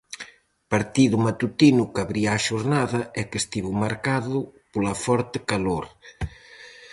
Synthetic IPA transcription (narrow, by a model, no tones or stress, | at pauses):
paɾt̪iðʊmat̪ut̪inʊkaβɾiaaːʃoɾnaðɐɛkest̪iβʊmaɾkaðʊpolɐfɔɾt̪ɪkaloɾ